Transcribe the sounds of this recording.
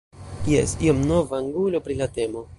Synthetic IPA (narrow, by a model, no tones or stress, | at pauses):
jḛsiomno̞vaːŋɡulo̞pɾilate̞mo̞